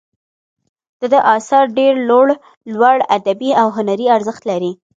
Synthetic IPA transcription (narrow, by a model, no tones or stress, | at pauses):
d̪̥əd̪əʔɑsɑɾɖeɾloɽ | lwaɽad̪abiawɦʊnaɾiaɾzəxt̪laɾi